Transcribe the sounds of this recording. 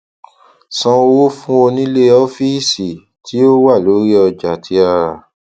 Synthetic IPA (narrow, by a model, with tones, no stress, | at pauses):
sɔ̃˧wo˦fũ˦o˧nĩ˦le˦ɔ˦fi˦˨si˨ | tʰi˦o˦wa˦˨lo˨˦ɾi˦ɔ˧d͡ʒa˨tʰi˧˦a˧ɾa˨